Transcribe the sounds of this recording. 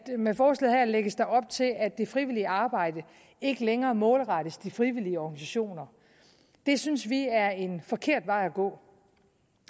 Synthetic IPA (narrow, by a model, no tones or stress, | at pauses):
mefɒːs̬ɡḛð̩ˠɦæɐ̰leɡ̥əsd̥ɑ̈ɪɒ̽b̥̚t͡sʰe̝læ̥e̝fʁiʋiliəɑ̈ːb̥ɑ̈ɪ̰d̥ə | e̝ɡ̥əleŋɐːmɔ̽ːlʁɑ̈ɾ̥əsd̥ifʁiʋiliəɒɡ̥nis̬æɕo̝̰ːnɐ | d̥e̝synsʋiæɐe̝nfɒ̽kʰe̝ɐ̰d̥ʋɑ̈ɪ̰æɡ̥ɔ̰̽ː